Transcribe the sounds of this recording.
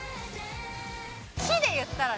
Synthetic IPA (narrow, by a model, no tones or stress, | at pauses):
ɕid̪e̞jɯt̪ːaɾa